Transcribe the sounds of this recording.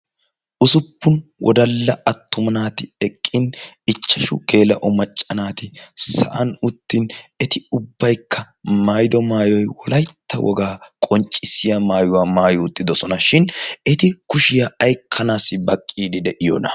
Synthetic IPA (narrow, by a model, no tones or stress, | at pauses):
ʔʊsʊpːʊnwʔɔ̰d̪ɐlːɐɐt̪ʰːʊmɐnaːt̪ɪɛkʼːɪnɪt͡ʃːɐʃʊ̰keːlɐʔɔmɐt͡ʃʼːɐnaːt̪ɪsɐ̰ʔɐnʊt̪ːinɛt̪ɪʊbːɐjkʰːɐ | maːjd̪ɔmaːjɔjwɔlɐjt̪ːɐwʔɔ̰ɡaːkʼɔnt͡ʃʼːɪsːɪjɐmaːjʊwaːmaːjʊʊt̪ːɪd̪ɔsɔnɐʃɪnɛt̪ɪkʊʃɪjɐɐjkʰːɐnaːsɪbɐkʼːiːd̪ɪd̪ɛʔɪjɔ̰ːnɐ̰